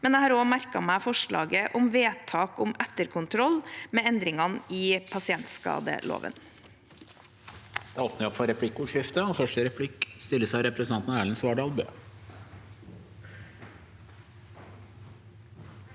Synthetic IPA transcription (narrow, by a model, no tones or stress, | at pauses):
mɛnæɪhɑːɾoːmæɾkɑ̰mæɪfɔʂɭɑ̰ːɡəʔʊmʋeːt̪ʰɑːkʊmæt̪ːəɾkʰʊnt̪ʰɾɔlmeːɛnd̪ɾɪŋɑniːpʰɑsɪɛnt̪skɑ̰ːd̪ə̰lʔo̰ːʋə̰n | d̪̥ɛːoːpnəɾɔpfɔɾɛpʰlɪkːʊːʂɪft̪əɑnfœʂʈəɾɛpʰlɪkst̪ɪlːəsæɑɾɛpɾɛsnʰɑnt̪nɑæːɭənsʋɑːɖɑlbø̰ː